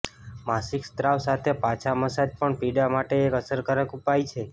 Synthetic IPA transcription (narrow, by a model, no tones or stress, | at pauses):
masikst̪ɾawsat̪ʰepat͡ʃʰaməsad͡ʒpəɳpiɖamaʈeːkəsəɾkəɾəkupajt͡ʃʰe